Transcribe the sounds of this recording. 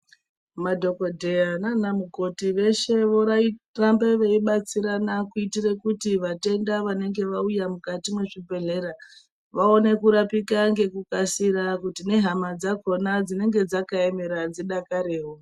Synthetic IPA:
madʱo̞ko̞dʱe̞jananamuɡʱo̞tiʋe̞ʃe̞ʋo̞ɾairambeʋe̞iɓat͡siɾanakuitire̞kutiʋate̞ndaʋane̞ŋɡe̞ʋaujamukatimwe̞ʐibe̞ɮe̞ɾa | ʋao̞ne̞kuɾapikaŋɡe̞kukasiɾakutine̞ɦamad͡zako̞nad͡zine̞ŋɡe̞d͡zakae̞me̞ɾad͡ziɗakaɾe̞ːɦo

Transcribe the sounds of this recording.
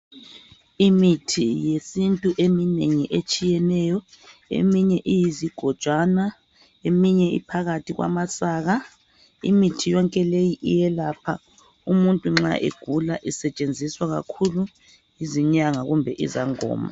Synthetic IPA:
imitʰijesintʼuʔemineŋiʔet͡ʃʼijɛnɛjɔḛmiɲɛʔijiziɡ̥ʱɔd̥ʒ̥ʱwana | emiɲɛḭpʰaɣatʰiɣwʔa̰masaːɣa | ḭmitʰijɔŋkʼɛlejiʔḭjɛlapʰa | umuntʼuŋ͡ǁa̰ʔḛɡ̥ʱula̰ʔisɛt͡ʃʼend͡zʱiswaɣa̰kʰulu | iziɲaŋaɣumbʱɛʔizaŋɔ̰ːma̰

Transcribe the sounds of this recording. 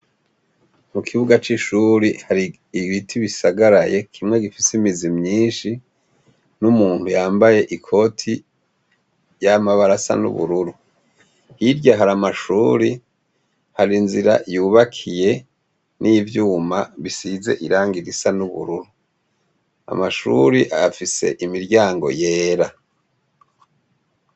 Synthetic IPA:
mukʰiβuɡat͡ʃiʃuɾihaɾi | iβitʰiβisaɡaɾaje̞kʰimŋe̞ɡifisimizimɲiːnʃi | numuːn̥hujaːmbaje̞ʔikʰo̞tʰi | jamaβaɾasa̰nṵβṵɾuɾu | hiɾɟaɦaɾamaʃuːɾi | haɾinziɾa̰juːβakʰije̞ | nʔiːvjuːmaβisize̞̰ʔiɾaːŋɡiɾisanuβṵɾuɾu | a̰maʃṵɾiʔafise̞̰ʔimiɾɟaːŋɡo̞̰je̞ːɾa

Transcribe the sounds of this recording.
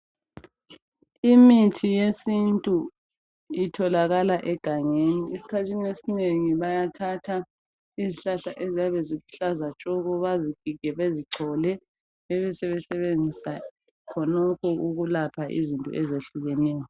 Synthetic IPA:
imitʰijesintʼu | itʰɔlaɣalaʔɛɡ̥ʱaŋeniisi̥kʰatʰiniesineŋiβajatʰatʰa | iziɬaɬaʔezijaβɛzikʰu̥ɬazat͡ʃʼɔɣɔβaziɡ̥ʱiɡ̥ʱɛβeziǀʰɔlɛ | ɛβɛsɛβɛsɛβend͡zʱisa | kʰɔnɔkʰɔʔuɣulapʰaʔḭzintʼɔ̰ʔɛzeɬuɣɛnɛːjɔ

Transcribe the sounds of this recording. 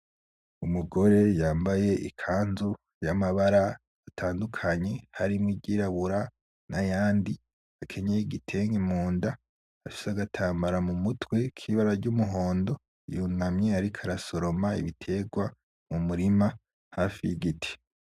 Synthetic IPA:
umuɡo̞ɾe̞jaːmbaje̞ʔikʰaːnzu | jamaβaɾaː | tʰaːndukʰaɲe̞haɾimŋiɟiɾaβuɾa | najaːndi | akʰe̞ɲeiɡitʰe̞ŋɡimuːnda | afi̥saɡatʰaːmbaɾamumutwe̞kʰiβaɾaɾɟumuɦo̞ːndo̞ | junamɲeaɾikʰaɾaso̞ɾo̞maḭβitʰe̞ɡwa | mumuɾima | haːfijiɡitʰi̥

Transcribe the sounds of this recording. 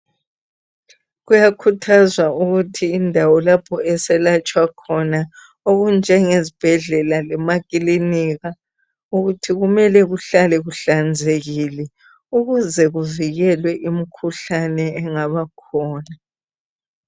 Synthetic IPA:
ɣujakʰutʰazwauɣutʰiːndʱawɔlapʰɔɛsɛlat͡ʃʼwakʰɔna | oɣund͡ʒʱɛŋezib̥ʱɛɮɛlalɛmakʼiliniɣa | uɣutʰiɣumɛlɛɣuɬalɛɣuɬand͡zʱeɣilɛ | uɣuzɛɣuviɣɛlwɛʔimikʰuɬanɛːŋaβakʰɔːna

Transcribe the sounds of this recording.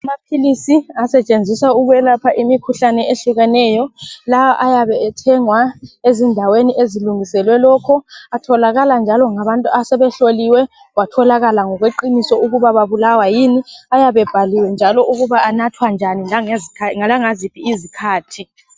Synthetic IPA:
amapʰilisiasɛt͡ʃʼend͡zʱisauɣuwɛlapʰaʔimikʰuɬanɛeɬiɣɛnɛːjɔlawaʔajaβɛɛtʰɛŋwaezindʱaweniʔeziluŋisɛlwɛlɔːkʰɔatʰɔlaɣaland͡ʒʱalɔŋaβantʼuasɛβɛɬoliwɛ | watʰɔlaɣalaŋɔɣweǃinisɔuɣuβaβaβulawajiniajaβɛb̥ʱaliwɛnd͡ʒʱalɔʔuɣuβaanatʰwand͡ʒʱaniaŋezikʰaŋalaŋazipʰiːzikʰaːtʰi

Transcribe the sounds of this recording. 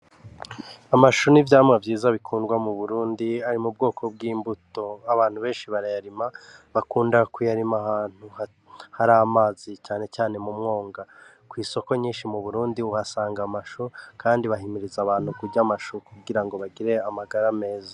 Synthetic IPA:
amaʃunivjaːmŋavjiːzaβikʰuːnɡwamuβuɾuːndiaɾimubɡo̞ːkʰo̞bɡiːmbuto̞aβaːn̥huβe̞ːnʃiβaɾajaɾimaβakuːndakujaɾimahaːn̥hu | haɾaːmaːzicaːne̞caːne̞mumŋo̞ːŋɡa | kwiːso̞ko̞ɲiːnʃimuβuɾuːndiuhasaːŋɡamaʃukaːndiβaɦimiɾizaβaːn̥hukuɟamaʃukuɡiɾaŋɡo̞βaɡiɾe̞amaɡaɾame̞ːza

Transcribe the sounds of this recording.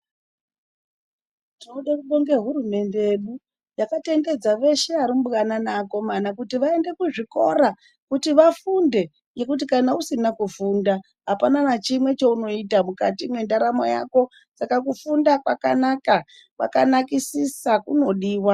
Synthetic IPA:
tiouɗakuɗo̞ŋɡe̞ɦuɾume̞nde̞jeɗu | jakate̞nde̞d͡zaʋe̞ʃe̞aɾimbɣananako̞manakutiʋae̞nde̞kuʐiko̞ɾa | kutiʋafunde̞ | je̞kutikanausinakufuːnda | ɦapananat͡ʃimwe̞t͡ʃouno̞itamukatimwe̞ndaɾamo̰ja̰ko̞ | sakakufundakwakanaka | ʋa̰kanakisisakuno̞ɗiːwa

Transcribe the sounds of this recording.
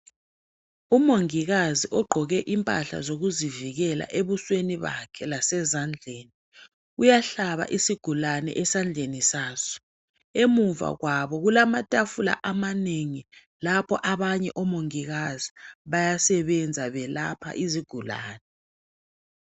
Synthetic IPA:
umoŋiɣaziʔɔɡ͡ǃʱɔɣɛʔimpʼa̰ɬa̰zoɣuziviɣɛla̰ʔeβusweniβa̰kʰɛlasɛzand͡ɮʱeːni | ujaɬaβa̰ʔisiɡ̥ʱulanɛ̰ʔɛsand͡ɮʱenisaːsɔ̥ | emuva̰ɣwaβɔɣulamatʼafula̰ʔamaneŋi | lapʰɔʔaβaɲɛʔɔmoŋiɣaziβajasɛβɛnd͡zʱaβɛlapʰa̰ʔiziɡ̥ʱula̰ːnɛ

